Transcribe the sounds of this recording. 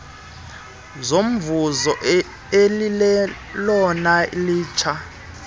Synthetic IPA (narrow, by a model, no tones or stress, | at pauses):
zom̩vuzɔ | elilɛ | lɔnailiːt͡ʃʰa